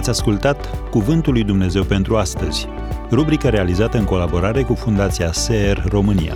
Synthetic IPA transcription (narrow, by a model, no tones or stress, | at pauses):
at̪sʲaskult̪at̪kuvɨnt̪ulːujd̪umne̞ze̞wpe̞nt̪ɾuast̪əz̥ʲ | rubɾikəɾe̞alizat̪əɨŋko̞labo̞ɾaɾe̞kufund̪at̪siaseerro̞mɨnḭja̰